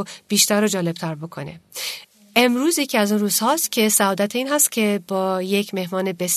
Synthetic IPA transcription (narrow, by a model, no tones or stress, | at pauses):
b̥iːʃt̪æɾod͡ʒɒːle̞b̥̚t̪ʰæɾbo̞kʰo̞̰ne̞̰ | ʔe̞mɾuːzje̞cʰiːæzunruːzhɒːst̪cʰe̞sæɒːd̪æt̪ʰeiːnɦæst̪cʰʲe̞bɒːje̞cʰme̞hmɒːne̞be̞s